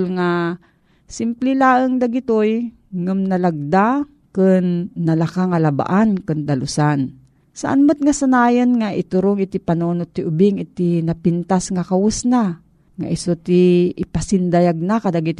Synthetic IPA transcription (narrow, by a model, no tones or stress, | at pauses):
lŋa | sɪmplilaːʔəŋd̪aɡit̪oj | ŋɨmnalaɡ̚d̪a | kɨnːalakaŋalaba̰ʔankɨnd̪alʊsan | sa̰ʔa̰nmʊt̪̚ŋasanaːjənŋaʔɪt̪ʊɾoŋɪt̪ipanonot̪ːiʔʊbɪŋɪt̪inapint̪asŋakawʊsna | ŋa̰ʔɪsot̪iːpasɪnd̪ajaɡ̚nakad̪aɡit̪